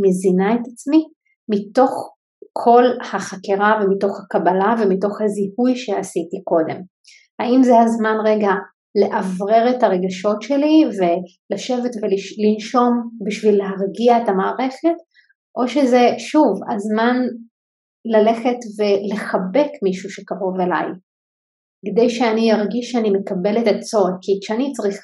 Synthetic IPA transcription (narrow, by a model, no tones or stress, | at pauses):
mezinaetat͡smi | mito̞χ | kʰo̞lhaχakeʁavemito̞χhakabalave̞mito̞χhazihujʃeasitiko̞de̞m | haimzehazmanʁeɡa | le̞ʔavʁe̞ʁethaʁe̞ɡaʃo̞tʃe̞live̞ | laʃe̞vetvelilinʃo̞mbiʃvilːeɦaʁɡiaetamaːʁe̞χe̞t | ʔo̞ʃeze̞ʃuvazman | lale̞χe̞tve̞le̞χabe̞kmiʃuʃekaʁo̞ve̞la̰j | ked̪ejʃeanijaʁɡiʃːeanime̞kabe̞let̪at͡so̞dkiʃeanit͡sʁiχ